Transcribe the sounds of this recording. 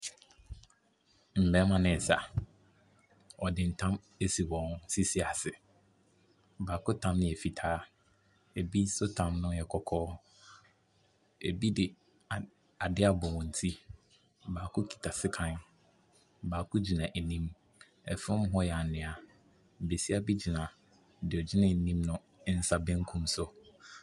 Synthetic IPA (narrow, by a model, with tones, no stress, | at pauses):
m̩˨bɛ˨˦mã˦nɪ̃˨sa̰˨ | ɔ˨dɪ˨n̩˨tʰã˦m | e˦si˨wɔ̃˨nsi˦si˦a˨sɪ˨ | baː˨kʰʊ˦tʰã˦mnɪ̃˦˨ɛ˨fi˨tʰaː˦ | e˨bi˦sʊ˦tʰã˨mnʊ̃˦jɛ˨kʰɔ˦kʰɔː˦ | ḛ˨bi˦dɪ˨ | a˨dɪ˦a˦bɔ˨wɔ̃˨n̩˨tʰi˦ | baː˨kʰʊ˦kʰi̥˨tʰa˨sɪ˦kʰã˦n | baː˨kʰʊ˦d͡ʑi˨nã˨ʔe˨nĩ˦m | ɛ̰˨fʊ̃˦m˦ɦɔ˦jɛ˨a˨nɪ̃˨a˨ | be˨si˦a˦bi˦d͡ʑi˨nã˨ | dɪ˨ɔ˨d͡ʑɪ˦nã˦˨n̩˨nĩ˦mnʊ̃˦ | n̩˦sa˦bẽ˦ŋ̩˦kʰũ˦msʊ˦